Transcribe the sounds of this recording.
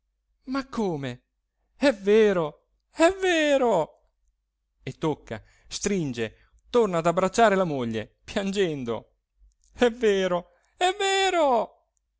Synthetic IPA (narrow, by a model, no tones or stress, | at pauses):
makʰːoːme | ɛveːɾo | ɛvːeːɾo | et̪ːokːa̰ | st̪ɾind͡ʒe | t̪ornaːd̪abɾat͡ʃːaːɾelamoʎːepjand͡ʒɛnd̪o̰ | ɛveːɾo | ɛvːeːɾo